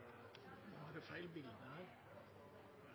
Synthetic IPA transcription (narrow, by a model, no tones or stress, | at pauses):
ʋɑhɑɾəfæɪlbɪld̪əhæːɾ